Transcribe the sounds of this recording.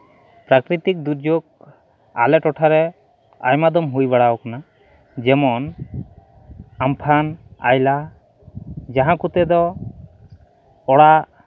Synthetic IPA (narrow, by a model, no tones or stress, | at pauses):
pɾakɾit̪ik̚d̪uɾd͡ʒoɡ̚ | a̰lɛʈɔʈʰaɾɛ | a̰jmad̪ɔmɦujbaɽawɔkana | d͡ʒɛmɔn | ampʰana̰jla | d͡ʒaɦãkut̪ɛd̪ɔ | ɽa